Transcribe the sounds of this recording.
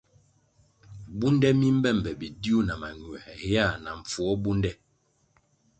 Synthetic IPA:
bu˦ndɛ˦mi˦m̩˦bɛ˦˨m̩˨bɛ˨bi˨di˦u˦na˨ma˨ɲwɛ˨hɛ˨ha˦˨na˨ɱ̩˨fu˨ɔ˦bu˦ndɛ˦

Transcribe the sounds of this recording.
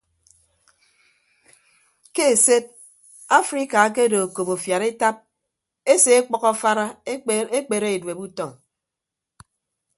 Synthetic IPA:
ke˦e˨se˦t̚ | a˦fɾi˦ka˨a˦k̬e˦do˨o˨ko˨po˨fja˨ɾe˦ta˦p̚ | e˦se˨e˦k͡pɔ˦kɔ˦fa˦ɾa˦e˦k͡pe˨ɾe˦e˨dwe˨bu˦tɔ˦˨ŋ

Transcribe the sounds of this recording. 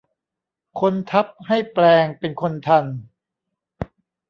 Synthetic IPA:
kʰo˧nt̪ʰa˦˥p̚ha˥˩jplɛː˧ŋpe˧nkʰo˧nt̪ʰa˧n

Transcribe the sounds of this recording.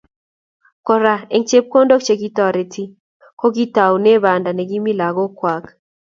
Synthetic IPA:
kɔ˦ɾa˦e˨ŋt͡ʃe˦p̚ko˦ndo˦kt͡ʃe˨ɡi˦tɔ˨ɾe˨tʰi˦ | ko˦ɡi˦ta˨wne˦βa˨nda˨ne˨ɡi˦mi˦la˨ɡo˦kwa˨k

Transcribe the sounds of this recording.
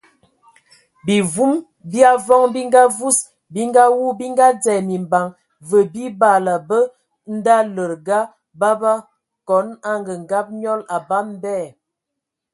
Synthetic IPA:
bi˨vu˦m | bi˦a˦vɔ˦ŋbi˦ŋɡa˦vu˦s | bi˦ŋɡa˦wu˦bi˦ŋɡa˦d͡zɛ˨mi˨mba˨ŋ | və˨bi˦ba˦˨la˨bə˦ | n̩˦da˦lə˨ɾɡa˦ | ba˦ba˦ | kɔ˨˦na˦ŋɡə˨ŋɡa˦p̚ɲɔ˦la˨ba˦m˦bɛ˦˨

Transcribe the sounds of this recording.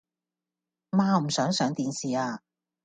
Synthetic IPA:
maː˧m̩˨˩sœː˨˥ŋsœː˨˥ŋt̪iː˨˥nsiː˨aː˧

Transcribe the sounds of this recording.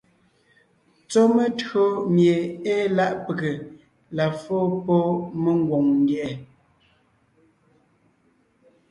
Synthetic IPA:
t͡so˦mə˦tɰo˦mje˨e˦la˦ʔpə˨ɡe˨ | la˨fo˦po˦mə˦ŋ˦ɡwo˨ŋn˦djɛ˨ʔɛ˨

